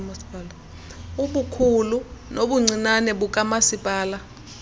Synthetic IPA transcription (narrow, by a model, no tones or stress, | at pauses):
masi̥pʼala | uɓukʰulunoɓuŋ͡ǀinanɛɓuk̬ʼamasipʼaːla